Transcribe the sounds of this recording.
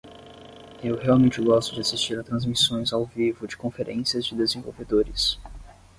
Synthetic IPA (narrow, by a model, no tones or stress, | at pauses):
ewhealˠmẽnt͡ʃɪɡɔst̪ʊd͡ʒɪasist͡ʃiɾat̪ɾɐ̃zmisõj̃zawvivʊd͡ʒɪkõfeɾʔḛ̃siɐzd͡ʒɪd̪ezẽvo̰wved̪oɾɪs